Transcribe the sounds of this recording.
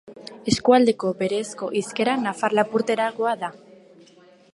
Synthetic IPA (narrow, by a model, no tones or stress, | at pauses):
e̞skuald̪e̞ko̞be̞ɾe̞sko̞ʔiske̞ɾanafaɾlapuɾt̪e̞ɾaɣo̞aða